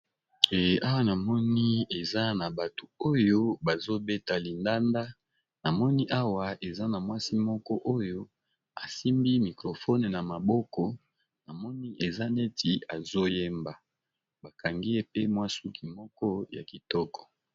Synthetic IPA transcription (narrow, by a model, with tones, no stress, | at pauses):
ɛ˨a˦wa˦na˨mɔ˦ni˦e˨za˦na˨ba˨to˨o˦jo˦ba˨zo˦be˦ta˨li˨nda˦nda˦ | na˨mɔ˦ni˦ʔa˦wa˨ʔe˨za˦na˨mwa˦si˦mɔ˦kɔ˦ʔo˦jo˦ | a˨si˦mbi˦mi˨kʁo˨fɔ˦ne˨na˨ma˨bɔ˦kɔ˦ | na˨mɔ˦ni˦ʔe˨za˦ne˦ti˨a˨zo˦je˦mba˨ | ba˨ka˨ŋɡi˦e˦pe˦mwa˦su˦ki˨mɔ˦kɔ˦ja̰˨ki˨tɔ˦kɔ̥˨